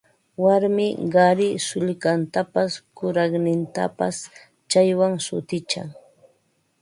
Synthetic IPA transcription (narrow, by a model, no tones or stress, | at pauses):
waɾmɪɢɑɾɪsʊʎkant̪apaskʊɾɑχnɪnt̪a̰pa̰s | t͡ʃajwaŋsʊ̰t̪ɪt͡ʃa̰ŋ